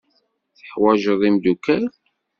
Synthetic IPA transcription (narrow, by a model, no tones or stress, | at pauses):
θə̥ħwæʒəðˤimd̪ukːæɾ